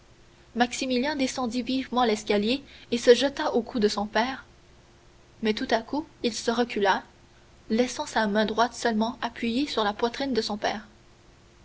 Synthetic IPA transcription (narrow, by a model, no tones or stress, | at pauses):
maksimiljɛ̃d̪esɑ̃d̪ivivmɑ̃lɛskʲaljeesəʒət̪aʔokʰud̪əsɔ̃pɛːʁ | mɛt̪ut̪akuilsəʁəkʲyla | lɛsɑ̃samɛ̃d̪ʁwat̪sœlmɑ̃ʔapʰɥijesyʁlapwat̪χind̪əsɔ̃pɛːʁ